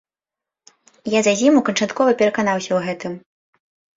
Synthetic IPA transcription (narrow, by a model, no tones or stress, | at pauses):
jazazʲimukɐnt͡ʂat̪kɔvɐpʲɛɾɐkan̪awsʲɐwɣɛt̪ɨm